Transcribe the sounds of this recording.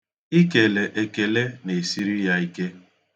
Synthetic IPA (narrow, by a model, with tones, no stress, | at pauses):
i˦ke˨le˨ʔe˨ke˨le˦ne˨si˦ɾi˦ja˦i˦ke˦